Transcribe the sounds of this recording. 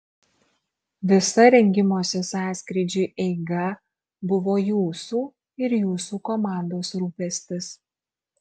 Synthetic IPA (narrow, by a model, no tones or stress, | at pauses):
ʋʲɪsɐɾʲɛŋʲɡʲɪmoːsʲɛsɑːsʲkɾʲɪd͡ʒʲuːʔɛɪɡɐ | bʊʋoːjuːsuː | ɪɾjuːsuːkɔmɑˑnd̪oːsɾuːpʲɛsʲt̪ʲɪs